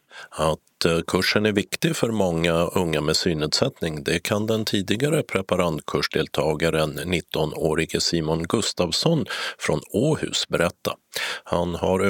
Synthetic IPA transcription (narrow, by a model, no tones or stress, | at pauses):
at̪kʰɵʂənæɾvɪkt̪ɪɡfœɾmɔŋːaɵŋːamɛsyːnɛːd̪sɛt̪nɪŋd̪ɛkʰand̪ɛnt̪ʰiːd̪ɪɡaɾəpʰɾɛpaɾant̪kʰɵʂɖ̪eːlt̪ʰɑːɡaɾənːɪt̪ʰːɔnoːɾɪɡəsiːmʊnɡɵst̪aːvsɔnfɾɔnoːhʉ̟̰ːsbɛɾʔɛt̪ːahanhaɾ